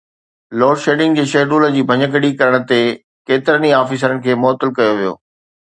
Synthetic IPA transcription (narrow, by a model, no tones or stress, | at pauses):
loːɽʃeːɖɪ̃ŋɡ̚d͡ʑeːʃeːɖuːlə̆d͡ʑiːbʱɐɲəkəɽikɐɾəɽ̃ət̪e | keːt̪ɪɾəniaːfiːs̬əɾənɪ̆kʰeːmɔːt̪ːɪlkɐjoʋijo̰ː